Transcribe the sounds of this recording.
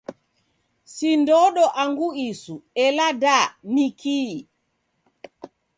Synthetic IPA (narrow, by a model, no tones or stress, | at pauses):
sindɔɗɔʔaŋɡuisuɛladanikiː